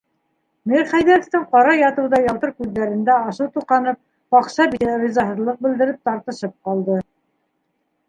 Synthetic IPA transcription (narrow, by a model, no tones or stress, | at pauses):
miɾχæjðæɾŏft̪ɘɴqɑɾɑjɑt̪ɤ̆wðɑjɑlˠt̪ɤɾkʉðːæɾɘ̆nd̪æɑʃɤwt̪uqɑnɤp̚ | qɑqʃɑbiɾʲizɑɦɤ̆ðlˠɤq̚bɘ̆ld̪ɘ̆ɾɘp̚t̪ɑɾt̪ɤ̆ʃɤp̚qɑlˠd̪ɤ